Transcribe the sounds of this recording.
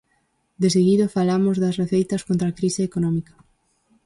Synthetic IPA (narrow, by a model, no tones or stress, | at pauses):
d̪es̬eɣiðofalamʊzðɐsreθejt̪ɐskõnt̪ɾakɾiseekonɔ̃mikɐ̥